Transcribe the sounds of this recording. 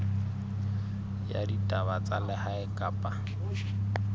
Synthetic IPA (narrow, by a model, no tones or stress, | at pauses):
ja̰ditʼabat͡sʼalɛhaɛkʼaːpʼa